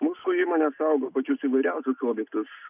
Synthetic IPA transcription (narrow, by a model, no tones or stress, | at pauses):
muːsʊːiːmoːnʲesɐʊɡoːpɐt͡ʃʲʊsiːʋɐɪɾʲɛʊsʲʊsoːbʲjɛk̚t̪ʊs